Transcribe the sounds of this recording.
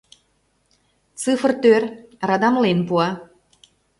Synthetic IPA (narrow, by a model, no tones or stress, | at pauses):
t͡sɨfrt̪ørrɑd̪ɑmlenpuɑ